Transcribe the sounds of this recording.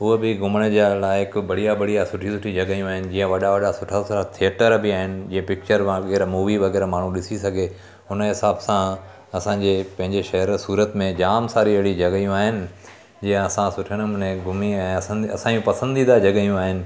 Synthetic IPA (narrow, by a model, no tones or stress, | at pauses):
ʊɦebɪɡʊməɽ̃ə̆d͡ʑalaːɪɪkbɐɽ̤ijabɐɽijasʊʈʰisʊʈʰid͡ʑɐɠəjũaːɦɪnɪ̆d͡ʑiːə̃ʋɐɗaʋɐɗasʊʈʰasʊʈʰat̪ʰijəʈəɾbɪaːɦɪnɪ̆d͡ʑiːə̃pɪk̚t͡ɕəɾʋãɣɛːɾmuːʋiʋɐɣɛːɾmaːɳ̤ũɗɪsisɐɡʱe | ʊnəɦɪsaːbsã | ɐsãɲd͡ʑeːpɐ̃ɦɪ̃ɲd͡ʑeʃɐɦəɾsuːɾət̪mẽd͡ʑaːmsaːɾiʋɐɽid͡ʑɐɠjũaːɦɪnɪ̆ | d͡ʑiːə̃ɐsãsʊʈʰəɽ̃ʊnẽɡʱʊmiɛ̃ːɐsə̃nd̪iɐsãːũpɐsə̃nd̪id̪ad͡ʑɐɠəijũaːɦɪnɪ̆